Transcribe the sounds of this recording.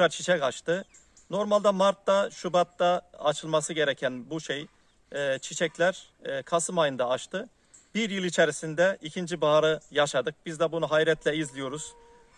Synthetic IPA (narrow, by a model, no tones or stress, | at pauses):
ɾaɾt͡ʃʰi̥t͡ʃʰɛkaʃt̪ɯ | no̞ɾmalʲd̪amaɾt̪ːaʃubat̪ːaːt͡ʃʰɯlˠmasɯɟe̞ɾɛcʰænbuʃej | t͡ʃʰit͡ʃʰɛclʲæɾ | kʰasɯmajɯnd̪aːʃt̪ʰɯ | b̥iɾjɯlˠit͡ʃʰeɾisind̪ɛʔicʰind͡ʒibaaɾɯjaʃad̪ɯk̚bizd̪ɛbunuɦajɾɛt̪ʰlʲɛizlʲijo̞ɾuz̥